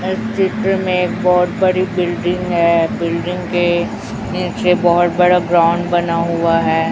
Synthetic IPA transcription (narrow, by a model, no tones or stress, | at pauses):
ɪst͡ʃɪʈ̪ɾəmẽeːk̚bɔɦʊt̪bɐɽibɪlɖɪ̃ŋɡɦɛːbɪlɖɪ̃ŋɡke | niːt͡ʃebɔɦʊt̪̚bɐɽabɾãːʊɳɖbɐnaɦʊaɦɛː